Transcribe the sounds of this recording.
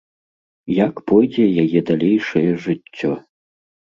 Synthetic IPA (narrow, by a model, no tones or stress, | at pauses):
jakpɔjd͡zʲɛjajɛd̪alʲejʂɐjɛʐɨt͡sʲːɔ